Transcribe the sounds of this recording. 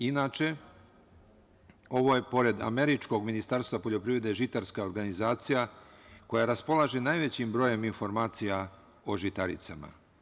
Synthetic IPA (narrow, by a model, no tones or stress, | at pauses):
inaːt͡ʃe̞ | o̞ʋo̞je̞po̞ɾe̞d̪a̰me̞ɾit͡ʃko̞ɡminist̪aːɾst̪vʋapo̞ʎo̞pɾiʋɾe̞d̪e̞ʒit̪aɾskao̞ɾɡanizaːt̪sijako̞jaɾaspo̞lˠaʒenaːjʋe̞t͡ɕimbɾo̞je̞minfo̞ɾmaːt̪sija | o̞ʒit̪aɾḭt̪sama̰